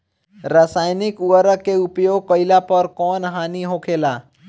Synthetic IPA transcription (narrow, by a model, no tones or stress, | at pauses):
ɾasaːjnɪkuəɾəkːeʊpjoːɡ̚kəɪlapəɾkɔːnɦaːniɦokʰeːlaː